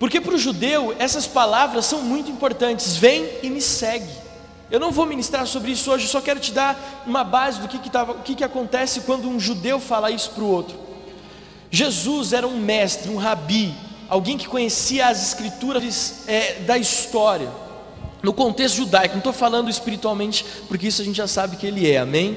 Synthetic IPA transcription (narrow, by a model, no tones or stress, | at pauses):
poɾkepɾʊʒud̪ewɛsɐspalavɾɐssːɐ̃w̃mũj̃t̪ʊĩpoɾt̪ɐ̃nt͡ʃɪzvẽj̃ɪmɪsɛɡɪ | ewnɐ̃w̃vominist̪ɾaɾsobɾɪisʊoʒɪesɔkɛɾʊt͡ʃɪd̪aɾũmɐbazɪd̪ʊkɪkɪt̪avɐʊkɪkɪakõnt̪ɛsɪkwɐ̃nd̪ʊũʒud̪ewfalaisʊ̥pɾʊowt̪ɾʊ | ʒezuzɛɾɐũmɛst̪ɾɪũɦabi | awɡẽj̃kɪ̥kõɲesiɐːzɪskɾit̪uɾɐɾɪzɛd̪ɐist̪ɔɾiɐ | nʊkõnt̪est̪ʊʒud̪ajkʊnũt̪ofalɐ̃nd̪ʊɪspiɾit̪uawmẽnt͡ʃɪ̥ | pʊɾkeisʊaɐʒẽnt͡ʃɪʒasabɪkɪelɪɛa̰mẽj̃